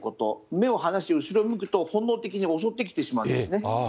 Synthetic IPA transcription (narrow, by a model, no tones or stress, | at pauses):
ko̞t̪o̞̰me̞o̞hanaɕieɯ̟ɕiɾo̞mɯ̟kɯ̟̥t̪o̞hõ̞nːoːt̪e̞kʲiɲ̟io̞so̞t̪ːe̞kʲi̥t̪e̞ɕimaɯ̃ñd̪esɨne̞